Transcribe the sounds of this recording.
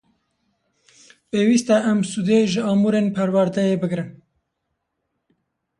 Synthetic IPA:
peːwiːst̪ɛʔæmsud̪eʒɨɑːmuːɾeːnpʰɛɾwæɾd̪ɛjeːbɨɡɾɨn

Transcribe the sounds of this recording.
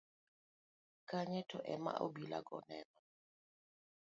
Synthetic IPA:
kaɲɛtʰɔʔɛma̰ʔobila̰ɡɔnɛnɔ

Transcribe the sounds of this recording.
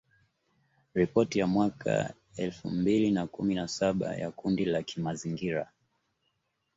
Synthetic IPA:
ɾipɔtijamwakʰa̰ | ɛlfumbilinakuminasaɓa̰ja̰kundilakʰimaziŋɡiɾa

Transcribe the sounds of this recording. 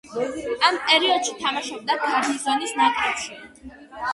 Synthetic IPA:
ampʼɛɾiɔd̪̥ʃit̪ʰamaʃɔb̚d̪akʰaɾd̪izɔnisnakʼɾat̪sʰi

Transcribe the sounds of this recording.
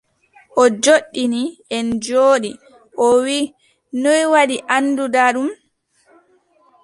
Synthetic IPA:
ʔɔd͡ʒoɗːiniɛnd͡ʒoːɗi | ʔɔwi | nɔjwaɗiʔanːdudaɗum

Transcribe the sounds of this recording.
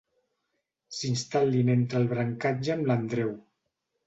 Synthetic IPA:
sinst̪alːinent̪ɾəlˠβɾəŋkad͡ʒəːmlənd̪ɾɛw

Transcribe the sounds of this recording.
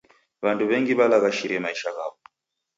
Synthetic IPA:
βantuβɛŋɡiβalaɣaʃiɾɛmaiʃaɣaβɔ

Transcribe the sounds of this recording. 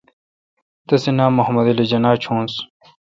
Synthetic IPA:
t̪ɐsenaːmːoɦɐmɐd̪ɐlid͡ʑɐnaːt͡ɕʰõːns

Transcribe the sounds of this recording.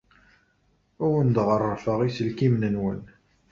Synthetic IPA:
ʊwənd̪ʁərˤːəfəʁisəlkimnənwə̰n

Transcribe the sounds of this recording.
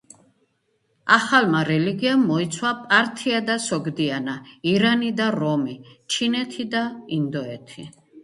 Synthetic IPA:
aχalmaɾɛliɡiamːɔit̪sʰwapʼaɾt̪ʰiad̪asɔɡd̪ianaiɾanid̪aɾɔmit͡ʃʰinɛt̪ʰid̪aind̪ɔɛt̪ʰi

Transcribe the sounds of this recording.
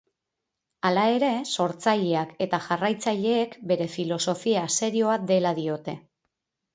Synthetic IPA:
alae̞ɾe̞so̞ɾt͡saʎeake̞t̪aʝarajt͡saʎe̞ːkbe̞ɾe̞filo̞so̞fiase̞ɾio̞ad̪e̞laðio̞t̪e̞

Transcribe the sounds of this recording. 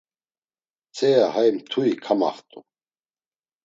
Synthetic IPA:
t͡sʰɛjaɦajmt̪ʰuikʰama̰χt̪ʼu

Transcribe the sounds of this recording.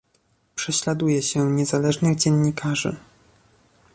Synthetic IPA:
pʂɛɕlad̪ujɛɕɛɲɛzalɛʐnɘɣd͡ʑɛɲːikʰaʐɘ̰

